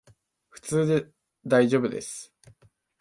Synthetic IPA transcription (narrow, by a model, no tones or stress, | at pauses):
ɸɯ̟̥t͡sɨːd̪e̞ | d̪aiʑo̞ːbɯ̟d̪e̞sɨ̥